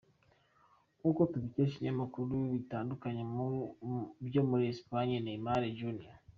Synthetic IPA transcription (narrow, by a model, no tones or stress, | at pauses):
kukotuβiceʃiɲamakuɾuβitaːndukaɲemu | βjoːmuɾiespaɲianemaɾeɟunia